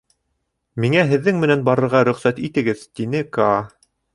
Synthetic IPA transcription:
miŋæɦɘ̆ðːɘŋmɘ̆nænbɑɾɤ̆ɾʁɑɾɵ̆χsæt̪it̪ɘ̆ɡɘðt̪inɘkɑ

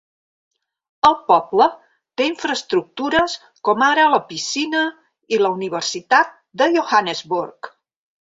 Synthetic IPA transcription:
əlˠpɔblə | t̪eiɱfɾəst̪ɾuk̚t̪uɾəs | kɔmaɾələpisinə | iləuniβ̞ərsit̪at̪̚d̪əʒoxanəzβurk

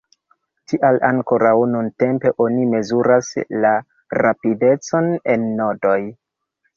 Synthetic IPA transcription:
tʰiʔalaŋko̞ɾawnunte̞mpe̞ʔo̞nime̞zuɾasla | ɾapide̞t͡so̞nenːo̞do̞j

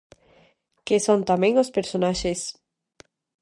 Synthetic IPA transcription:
kesõnt̪amɛẽŋospeɾsonaʃes

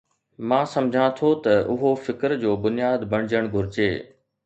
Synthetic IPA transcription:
mãːsɐmd͡ʑʱãt̪ʰot̪ɐʊɦofɪkəɾd͡ʑoːbʊnijaːd̪bɐɽ̃ɪd͡ʑəɽ̃ɡʱʊɾɪd͡ʑeː

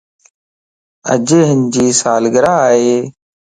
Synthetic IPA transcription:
ə̰d͡ʒeːɦɪnd͡ʒiːsaːlɡəɾaːɦeː

